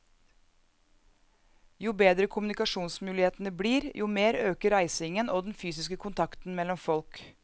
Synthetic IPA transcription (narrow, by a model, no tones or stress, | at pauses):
juːbeːd̪ɾəkʰʊmʉnɪkɑʂuːnsmʉːlɪheːt̪ənəbliːɾjuːmeːɾøːkəɾæɪsɪŋənʔoːd̪ɛn̩fyːsɪskəkʰʊnt̪ʰɑkt̪n̩mɛlːɔmfɔlk